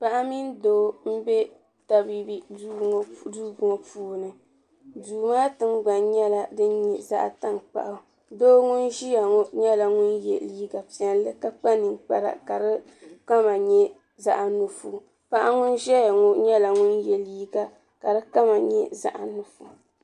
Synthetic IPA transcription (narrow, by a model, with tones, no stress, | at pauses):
pa˦ʔa˦mi˦ndoː˦m̩˦bɛ˦ | ta˨bi˦bi˦ | duː˦ɡʊ˨ŋɔ˨puː˦nɨ˨ | duː˨maː˦tɨ˦mɡ͡ba˨nɲɛ˦la˨dɨ˦n˦ɲɛ˨za̰˦ʔa˨ta˦ŋk͡pa̰˨ʔa˨˦ | doː˦ŋʊ˦nʒi˦ja˨ŋɔ˦ɲɛ˦la˨ŋʊ˦njɛ̰˨liː˦ɡa˨pi˦ɛ˦n˦lɨ˦ka˦k͡pa˦nɨ˨ŋk͡pa˨ɾa̰˨ka˨dɨ˦ | k͡pa˦ma˨ɲɛ˦ | za˦ʔa˨nu˨fu˨ | pa˦ʔa˦ŋʊ˦nʒɛ˦ja˨ŋɔ˦ɲɛ˦la˨ŋʊ˦njɛ˦liː˦ɡa˨ | ka˨dɨ˦ka˦ma˨ɲɛ˦za̰˦ʔa˨nu˦fu˨